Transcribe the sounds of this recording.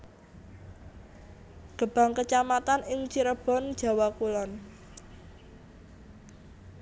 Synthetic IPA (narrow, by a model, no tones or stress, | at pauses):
ɡ̥ə̤b̥a̤ŋkət͡ʃamat̪anɪŋt͡ʃiɾəb̥ɔ̤nd̥ʒ̥a̤wakulɔn